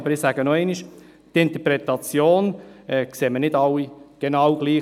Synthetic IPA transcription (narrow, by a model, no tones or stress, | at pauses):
bəɾɪsæɡ̥ənɔɛɪniʃ | t̪ɪnt̪əpɾɛt̪ɑt͡sjoːnɛkseːmənɪdɑwːiɡ̥enɑwɡliː